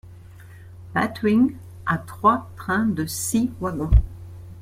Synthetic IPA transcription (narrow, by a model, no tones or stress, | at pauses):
bat̪wiŋ | at̪χwat̪χɛ̃d̪əsivwaɡɔ̃